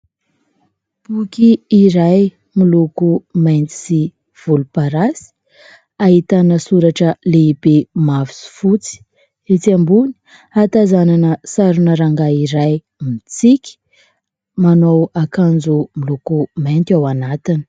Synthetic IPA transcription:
b̥ukiːɾaj | milukumajnt̪i̥si | v̥ulupaɾasi̥ | aɦit̪anəsuɾaʈ͡ʂəleibemavisu̥fut͡si̥ | et͡siambuni̥ | at̪azananəsaɾunəɾaŋɡaiɾaj | mit͡sikʲi̥ | manowakand͡zumilukumajnt̪awanat̪ini̥

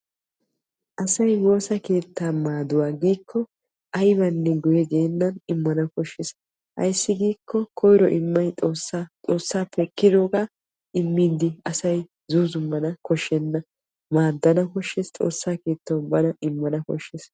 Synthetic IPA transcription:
ʔɐsɐjwo̞ːsɐke̞ːt̪ːaːmaːd̪ʊwaːɡiːkʰːɔ | ʔɐjbɐnːɛɡɔjɛɡeːnːɐnɪmːɐnɐkɔʃːɛs | hɐ̰jsːɪɡiːkːɔkʰɔjɾɔʔɪmːɐjt̪ʼoːsːat͡sʼo̞ːsːaːpɛkːɪd̪oːkaː | ʔɪmːiːd̪ɪɐsɐj | zuːzʊmːɐnɐkɔʃːɛnːɐ | maːd̪ːɐnɐkɔʃːɛst͡sʼo̞̰ːsːaːke̞ːt̪ːɐwbɐnɐʔɪmːɐnɐkɔ̰ʃːɛs

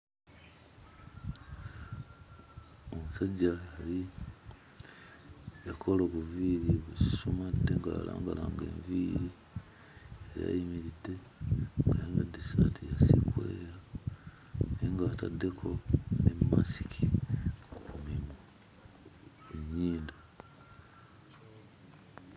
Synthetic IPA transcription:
omusaɟaali | jakʰoloβuviːɾiβusumade̞ŋɡaːlaːŋɡalaːŋɡeːɱviːɾi | eja̰imiɾide̞ | ŋɡajeŋɡadisatʰijasikweɾa | niŋɡaːtadːe̞kʰo̞nemmasi̥kʰi | kumino | eɲiːndo

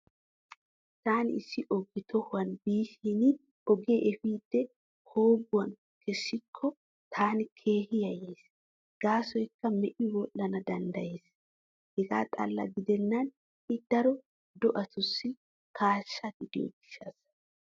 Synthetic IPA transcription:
t̪aːnɪɪsːɪʔɔɡɪt̪ʰɔhʊwɐnbiːʃinɪ | ɔɡeʔɛfiːd̪̥ːɛ | hoːɡʊwɐn | kɛsːɪkʰːɔ | t̪ʰaːnɪkʰe̞ːhɪjɐjeːs | ɡ̥aːsɔjkːɐmɛʔɪwɔʔɐnɐd̪ɐnd̪ɐjeːs | hɛɡa̰ːt̪ʼɐ̰lːɐ̰ɡɪd̪ɛnːɐn | hɪd̪̥ɐɾɔ | d̪ɔʔɐt̪ʊsːɪ | kʰaːʃːɐɡ̪ɪd̪ɪjɔ̰ɡɪʃːas

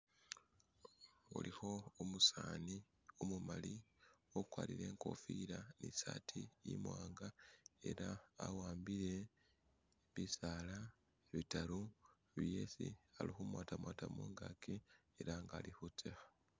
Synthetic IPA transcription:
ṵlixo̞omusaːni | omumaliokwaːliɾe̞ːŋko̞̰fiɾanisaːtʰijimwaːŋɡae̞̰ɾaːwaːmbiɾe̞ | βisaːla | eβitalu | βje̞sḭalixumwaːtamwaːtamuːŋɡakʰi | eɾaŋɡalixut͡sexḁ

